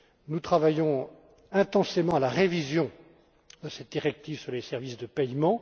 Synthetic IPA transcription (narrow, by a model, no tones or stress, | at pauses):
nut̪χavajɔ̃ | ɛ̃t̪ɑ̃semɑ̃alaʁevizjɔ̃ | d̪əsɛt̪̚d̪iʁɛk̚t̪ivsyʁlesɛʁvisd̪əpɛjmɑ̃